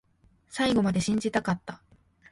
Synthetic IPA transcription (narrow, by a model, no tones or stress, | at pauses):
saiɡo̞mad̪e̞ɕĩɲ̟d͡ʑit̪akat̪ːa